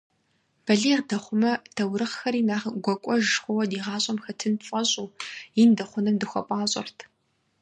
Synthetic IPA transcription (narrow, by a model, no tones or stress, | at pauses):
b̥ɐɮiːʁdɐχʷʊmɐtʰɐwɾɨχxɐɾiːnaːχɡʷɔkʷʼɔʒxʷɔwɐdiːʁɑːɕʼɐmxɐtʰɨnfʼɐɕʼuːjindɐχʷʊnɐmdɨxʷɔ̰pʷʼaːɕʼɐ̰rtʰ